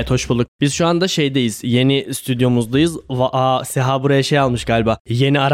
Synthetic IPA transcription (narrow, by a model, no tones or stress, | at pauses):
t̪ʰho̞ʃbulˠuk̚b̥iz̥ʃuand̪aʃejd̪ejiz̥je̞nist̪ʰyd̪jo̞muzd̪ajɯzvaʔaseɦaːbuɾajaʃejalˠmɯʃɡaːlʲbaːje̞niaɾ